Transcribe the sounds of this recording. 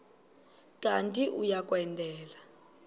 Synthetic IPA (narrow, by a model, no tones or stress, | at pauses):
kʼantʼiʔujak̬ʼwɛndʱɛːla